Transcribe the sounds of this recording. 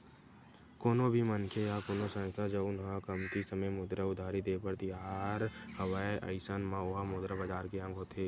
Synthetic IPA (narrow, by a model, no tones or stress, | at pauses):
koːnõbʱimənkʰejakoːnosə̃ŋt̪ʰad͡ʒoʊnɦãkəmt̪isəməjmʊd̪ɾəʊd̪ʱaːɾid̪eːpəɾt̪ijaːɾhəʋaeʔə̰ɪsənmãʊɦamʊd̪ɾəbəd͡ʒaːɾkeə̃ŋɡʱot̪ʰeː